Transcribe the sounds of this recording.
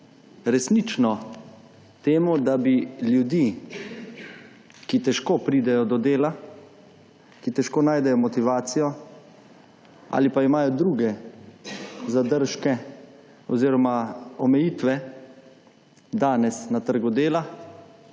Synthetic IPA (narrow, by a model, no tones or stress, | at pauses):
ɾɛsnit͡ʃnɔ | t̪eːmud̪abiljud̪i | kit̪ɛʃkoːpɾiːd̪ɛjɔd̪ɔd̪eːla | kit̪ɛʃkoːnaːjd̪ɛjɔmɔt̪iʋaːt̪sijɔ | a̰ːlipaimaːjɔd̪ɾuːɡɛ | zad̪əɾʃkɛ | ɔziːɾɔmaɔmɛjiːt̪ʋɛ | d̪aːnɛsnat̪əɾɡud̪eːla